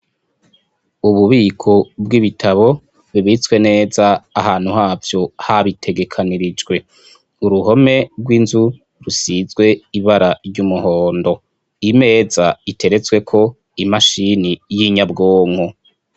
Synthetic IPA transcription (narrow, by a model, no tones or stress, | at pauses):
uβuβiːkʰobɡiβitʰaβo̞ | βiβit͡swe̞ne̞ːzaːhaːn̥huhaːvjo̞haβitʰe̞ɡe̞kʰaniɾid͡ʒɡwe̞ | uɾuɦo̞me̞bɡwinzu | ɾusizɡwe̞iβaɾaɾɟumuhoːndo̞ | ime̞ːzaitʰe̞ɾe̞t͡swe̞kʰo̞ | imaʃinijiɲabɡoːŋho